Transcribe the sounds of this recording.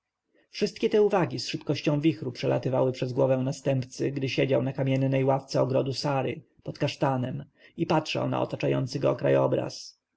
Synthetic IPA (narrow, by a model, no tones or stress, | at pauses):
fʂɘst̪̚kʲɛt̪ɛuvaɡʲisʂɘpkɔɕt͡ɕɔ̃w̃vʲixɾupʂɛla̰t̪ɘvawɘpʂɛzɡwɔvɛw̃nast̪ɛmpt̪sɘɡd̪ɘɕed͡ʑawnakamʲjɛnːɛjwaft̪sɛɔɡɾɔd̪usaɾɘ̰ | pɔt̪kaʂt̪anɛm | ipatʂa̰wna̰ɔ̰t̪at͡ʂajɔnt̪sɘɡɔːkɾa̰jɔbɾa̰s